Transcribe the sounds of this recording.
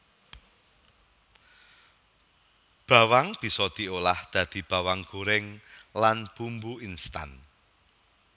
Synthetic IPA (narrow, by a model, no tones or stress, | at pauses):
b̥a̤waŋb̥i̤sɔd̪̥i̤olahd̪̥ä̤d̪̥i̤b̥a̤waŋɡ̥o̤ɾɪŋlanb̥umbuinst̪a̰n